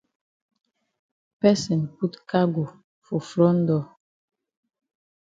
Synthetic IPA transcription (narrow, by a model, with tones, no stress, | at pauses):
pɛ˦sɛ˨npu˦tka˦ɡo˨ | fu˨fɾɔ˦n˦dɔ˨